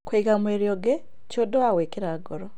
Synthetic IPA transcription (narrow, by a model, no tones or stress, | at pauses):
kweiɡamweɾijoɡe | codowaweːkiɾaːɡoɾo